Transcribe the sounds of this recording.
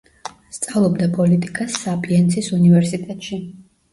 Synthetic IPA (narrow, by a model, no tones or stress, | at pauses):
st̪sʼavlˠɔbd̪apʼɔlit̪ʼikʼasːapʼiɛnt̪sʰisunivɛɾsit̪ʼɛt̪ʼʃi